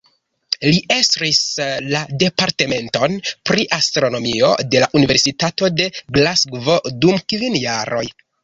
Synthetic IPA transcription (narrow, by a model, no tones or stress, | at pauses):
liʔestɾislade̞paɾte̞me̞nto̞npɾiʔastɾo̞no̞mio̞̰de̞laʔunive̞ɾsitato̞de̞ɡlasɡvo̞dumkvinjaɾʔo̞̰j